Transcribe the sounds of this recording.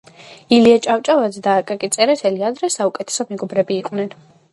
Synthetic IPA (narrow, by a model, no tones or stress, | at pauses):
iliat͡ʃʼawt͡ʃʼavad̪zɛd̪aːkʼakʼit̪sʼɛɾɛsɛliad̪ɾɛsaukʼɛt̪ʰɛ̥sɔmɛɡɔbɾɛbiːqʼwnɛn